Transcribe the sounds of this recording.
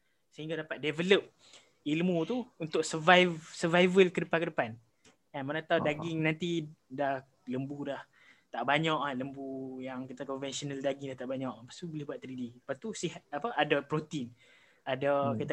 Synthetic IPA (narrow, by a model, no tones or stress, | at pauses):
səɦiŋɡadapat̪̚dɛvələp̚ | ilmũt̪uunt̪ʊk̚səvajvsəvajvəlkədəpankədəpan | kanmanãt̪awdaɡiŋnant̪idah | ləmbulah | t̪aʔbaɲaʔaləmbujaŋkit̪akɔnvɛnsionaldaɡiŋdaht̪aʔbaɲaʔpḁst̪ubəlɪhbuat̪ːəɾidipat̪usiɦat̪̚apəʔadapɾot̪in | adakit̪